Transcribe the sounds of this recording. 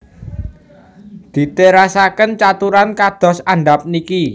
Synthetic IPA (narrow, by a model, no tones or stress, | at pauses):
d̪̥i̤t̪eɾasakənt͡ʃat̪uɾankad̪̥ɔ̤saɳɖa̤p̚niki